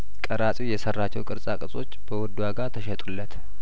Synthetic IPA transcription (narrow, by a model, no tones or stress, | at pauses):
kʼəɾasʼujɛsərːat͡ʃːɛwkʼɨɾsʼakʼɨsʼo̞t͡ʃːb̥əwɔd̪ːwaɡat̪ʰəʃɛt̪ʼulːət̪